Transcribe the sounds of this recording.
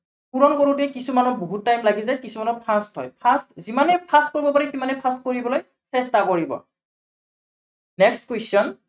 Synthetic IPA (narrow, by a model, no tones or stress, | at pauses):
puɹɔnkoɹutuɛkisumanɔboɦutːajmlaɡizajkisumanɔpʰastɦɔ̰jpʰastzimanɛpʰastkoɹibɔpaɹikimanɛpʰastkoɹibɔloj | sɛstakoɹibɔ̰ | nɛkstkwesɔn